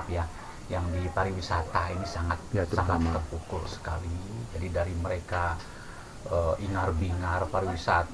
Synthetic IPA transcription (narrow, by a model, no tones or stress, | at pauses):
pja | jaŋdipaɾiwisat̪ainisaŋat̪̚asaŋat̪ːərpukʊlsə̥ka̰lid͡ʒadidaɾiməɾeka | əʔiŋarbiŋarpaɾiwisat̪